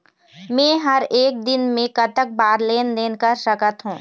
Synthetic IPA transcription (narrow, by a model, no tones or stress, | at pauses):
mɛ̃ːɦɐɾeːk̚d̪ɪnmẽkɐʈ̪ək̚baːɾleːnd̪eːnkɐɾʃɐkət̪ɦũː